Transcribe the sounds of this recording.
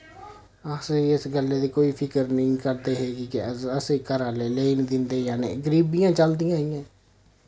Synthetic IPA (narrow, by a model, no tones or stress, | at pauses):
əsiɪsɡəlːeːd̪iːkoːiːpʰɪkəɾnəĩːkəɾd̪eːɦeːkikɪəəsiːkəɾaːleːleːind̪ɪnd̪eːjaːnḛːɡəɾiːbijãːt͡ʃəld̪ɪjãːɪjãː